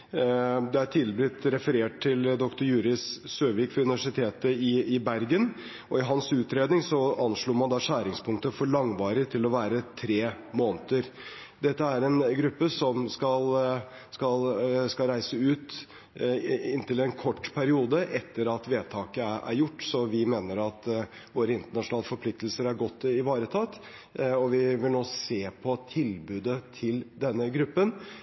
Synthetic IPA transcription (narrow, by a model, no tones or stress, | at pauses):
d̪ɛæʈʰɪlbɾɪt̪ɾɛfəɾeːʈ̚t̪ʰːɪld̪ɔkt̪ʊɾjʉːɾɪssøːʋiːkfɔɾʉnɪʋæʂɪt̪ʰeːt̪əɪɪbæɾɡən | ɔɪɦɑnsʉːt̪ɾeːd̪nɪŋsɔɑnʂɭuːɾmɑnd̪ɑːʂæːɾɪŋspʰʊŋk̚t̪əfɔɭɑŋʋɑːɾɪt̪ʰɪlɔʋæːɾət̪ʰɾeː | moːnət̪əɾ | d̪ɛt̪ːəæɾɛnɡɾʉpːəsɔmskɑl | skɑlskɑlɾæɪsəʉːt̪ | ɪnt̪ʰɪlɛnkʰɔʈːpʰæɾɪuːd̪əʔɛt̪ːəɾɑt̪ʋeːt̪ʰɑːkəʔæ̰ɾjʊʈːsɔʋɪmeːnəɾɑt̪ | ʋoːɾəɪnt̪əɳɑʂʊnɑːləfɔɾpʰlɪk̚t̪lsəɾæɾɡɔt̪ːɪʋɑːɾət̪ʰɑt̪ː | ɔʋɪʋɪlnoːseːpʰɔt̪ʰɪlbʉːd̪ət̪ʰɪld̪ɛnːəɡɾʉpːən